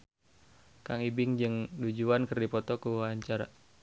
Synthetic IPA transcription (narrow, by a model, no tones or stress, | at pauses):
kaŋibɪŋd͡ʒəŋdud͡ʒuankərdipɔt̪ɔkuwaɲt͡ʃaɾa